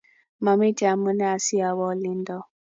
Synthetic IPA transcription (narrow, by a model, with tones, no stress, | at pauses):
ma˨mi˦d͡ʒa˨mu˦nɛ˦a˨si˦a˨βɔ˦li˦n˦dɔ˦